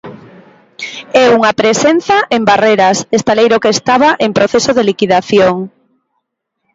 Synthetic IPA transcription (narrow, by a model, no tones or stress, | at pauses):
ɛuŋapɾesenθaʔembareɾɐsest̪alejɾokeːst̪aβaʔeŋpɾoθesoðelikiðaθjoŋ